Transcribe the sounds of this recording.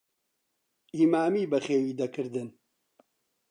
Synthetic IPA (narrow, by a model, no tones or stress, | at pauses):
ʔiːmaːmiːbɐχeːwiːd̪ɐkʰɨɾd̪ɨn